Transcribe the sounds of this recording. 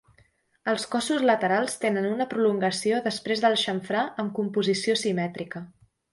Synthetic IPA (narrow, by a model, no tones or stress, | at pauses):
əlˠskɔsuzlət̪əɾalˠst̪enənunəpɾuluŋɡəsioðəspɾezðəlˠʃəɱfɾaʔəmkumpuzisiosimɛt̪ɾikə